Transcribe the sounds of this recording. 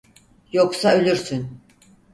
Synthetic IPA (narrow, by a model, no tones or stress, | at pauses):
jo̞ksaø̞lʲyɾsyn